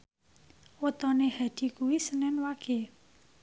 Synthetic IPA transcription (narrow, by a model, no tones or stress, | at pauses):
wət̪ɔnehad̪̥i̤kuwisənɛnwaɡ̥e̤